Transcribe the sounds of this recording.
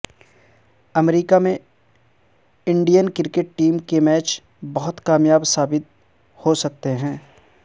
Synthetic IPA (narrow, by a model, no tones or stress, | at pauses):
ɐmɾiːkamẽ | ɪ̃ɳɖijənkɪɾkeʈ̚ʈiːmkemɛːt͡ʃ | bɐɦʊt̪kaːmjaːbsaːbɪt̪̚ | hosɐk̚t̪eɦɛ̃ː